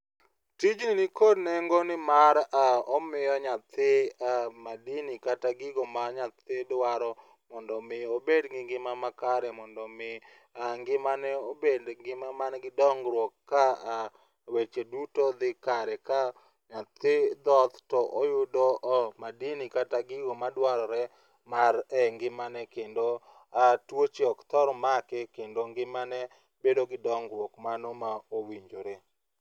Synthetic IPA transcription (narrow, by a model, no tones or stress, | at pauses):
tid͡ʒnɪnɪkodneŋɡonɪmaɾaɔmɪjɔɲat̪ʰɪamadinikataɡɪɡomaɲat̪ɪdwaɾɔ | mɔndɔmɪobedɡɪŋɡɪmamakaɾɛmɔndɔmɪ | aŋɡɪmanɛobedɡɪmamanɡɪdɔŋɡɾwɔkːa | wet͡ʃedutod̪ɪkaɾɛka | ɲat̪ɪd̪ɔt̪tɔʔojʊdoʔmadinikataɡɪɡomadwaɾɔɾɛ | maɾɛŋɡɪmanɛkendo | atwot͡ʃeɔkt̪ɔɾɔmakɛkendoŋɡɪmanɛ | bedoɡɪdɔŋɡɾwɔkmanomaowiɲd͡ʒoɾe